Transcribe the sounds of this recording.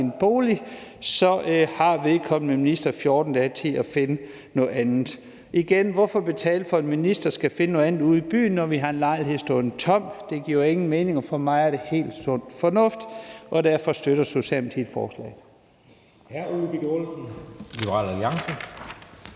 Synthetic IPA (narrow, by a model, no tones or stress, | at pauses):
enb̥o̝ːlisɒ̽ʔhɑ̈ʋe̝ðˠkʰɒ̽m̰n̩meminisd̥ɐfjoːd̥n̩d̥ɛt͡sʰe̝æfe̝nə | nɔ̽ð̩ˠænð̩ˠ | iɡ̥enʋɒfɒ̽b̥e̝t͡sʰɛ̰ːl̥fɒ̽e̝nminisd̥ɐsɡ̥æfe̝nno̽ð̩ˠæn̩ˠuð̩̰ˠib̥y̰ːn̩ːɒʋiɦɑ̈e̝nlɑ̈ɪlhe̝ðˠsd̥ɔnt͡sʰɒ̽m̰̥d̥e̝ɡ̥iɐe̝ŋn̩meːne̝ŋɒfɒmɑ̈ɪæɐɾ̥e̝he̝̰ːld̥sɔ̽n̰d̥fɒ̽nɔ̽fd̥ʔɒ̽d̥æɐfɒ̽sd̥øɾɐso̝ɕɛ̰ːlmet͡sʰḭd̥ˠfɒ̰ːslɛ̰ː | hæɐuðˠb̥iɡ̥olsn̩lib̥əʁɑ̰̈ːlæljɑ̈ŋsə